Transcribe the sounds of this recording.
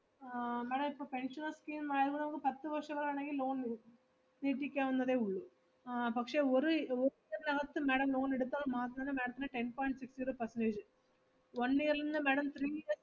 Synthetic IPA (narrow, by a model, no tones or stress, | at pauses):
meːɽɐmɪipːoːpɛɳʂɐnɐskiːnaːjɐðɯkɯnɐmɐkːɯpɐt̪ːɯʋɐɾʂɐɡɐlːɐnɐŋɡiloːn | niːʈːikʲːaːʋɐnd̪ɐðeːʊɭːu | pɐkʂeːɔɾɯɔɾɯiɐɾnɐɣɐt̪ːɯmeːɽɐmloːnɛɽɯt̪ːaːmaːt̪ːɐnɐnːɐmeːɽɐt̪ːɯnːɐʈɛnpoːjɪɳʈsɪksʈiɾupɐɾsɐneːʃɐ | ʋɐnːiːɐɾɪɾɯnd̪ɯmeːɽɐmt̪ɾiːɐ